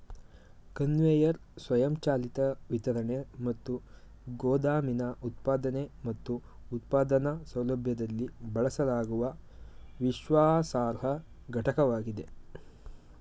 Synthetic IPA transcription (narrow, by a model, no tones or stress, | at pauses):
kɐnʋeːjɐɾsʋɐjɐmt͡ʃaːlit̪ɐʋit̪ɐɾɐnemɐt̪ːu | ɡoːd̪aːminɐʔut̪paːd̪ɐnemɐt̪ːuː | t̪̚paːd̪ɐnɐsɐwlɐbʱjɐd̪ɐlːibɐɭɐsɐlaːɡuʋɐʋiʃʋaːsaːɾɦɐ | ɡʱɐʈɐkɐʋaːɡid̪e̞